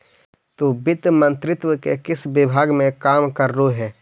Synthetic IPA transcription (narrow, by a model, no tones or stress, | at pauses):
t̪oːbɪt̪mə̃nt̪ɾɪt̪wəkekɪsbɪbʱaːɡmẽkaːmkəɾːoɦɛː